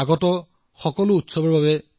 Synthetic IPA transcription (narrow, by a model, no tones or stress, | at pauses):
aɡɔtɔ | xɔkɔlʊutsɔbɔɹbabɛ